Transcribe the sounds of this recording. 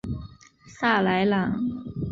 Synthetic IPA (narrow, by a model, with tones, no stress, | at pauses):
sa˥˩la˧˥ɪlɑ˨˧˥ŋ